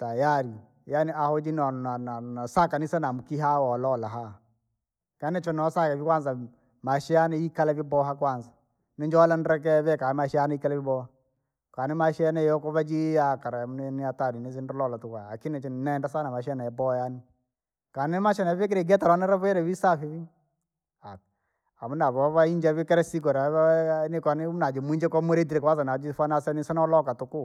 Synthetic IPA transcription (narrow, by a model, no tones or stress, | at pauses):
tajaɾi | janiahod͡ʒinɔnananasakanisɛnamukiɦawɔlɔlaɦa | kanɛt͡ʃɔnɔsakɛβikwanz̬a | maʃianɛikalaβibɔɦakwaːnsḁ | nɪɲd͡ʒɔlanɾɛk̬ɛβɛkamaʃɛanaikalaibɔha | kaːnɪmaʃɛnɛjɔkɔβad͡ʒiakaɾamnniataninɪs̬ɪndɔlɔlatʊkaakɪnɛt͡ʃinnɛndasanamaʃɛnaɛbɔjanɪ | kaːnɪmaʃɛnaβɛk̬ɪɾeɡɛtaɾanɛɾaβɔɛɾɛβisafiβi | a | amunaβɔβaiɲd͡ʒɛβikɛɾɛsik̬ɔɾanɪkɔnɪnad͡ʒomuiɲd͡ʒɛkɔmoɾet̬iɾekwazanad͡ʒifanasɛnisanɔlɔkatʊkʊ